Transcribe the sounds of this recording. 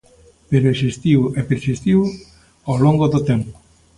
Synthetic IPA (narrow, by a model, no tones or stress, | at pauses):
peɾesist̪iwepeɾsist̪iw | awloŋɡoðot̪empo